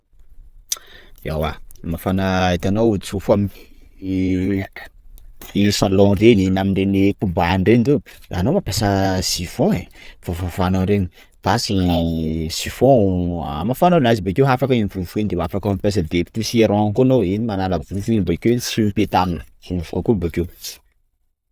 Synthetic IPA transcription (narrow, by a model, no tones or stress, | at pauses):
a̰wamafanaet̪anowusufam | isalɔ̃reninamiɳɖ͡ʐenikumbaɳɖ͡ʐend̪ea̰nomapesəsifõefofafananɾeni | t̪asi | sifɔ̃amafananazibekewɦafakəinifunfuend̪emafakampes̬əd̪epi̥t̪isiaɾɔ̃kunoinimanalavufinibakewsiipet̪aminə̥fukubakew